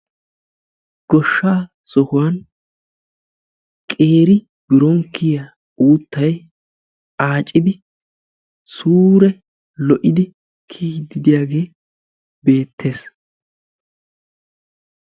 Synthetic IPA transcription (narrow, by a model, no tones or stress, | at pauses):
ɡ̥ɔʃːaː | sɔhʊwan | kʼe̞ːɾɪ | bɪɾɔŋkːɪja | uːt̪ːɐj | aːt͡ʃʼːɪd̪ɪ | suːɾɛ | lɔʔɪd̪ɪ | kʰiːd̪ːɪd̪ɪjaːɡe̞ː | be̞ːt̪ʰːe̞ːs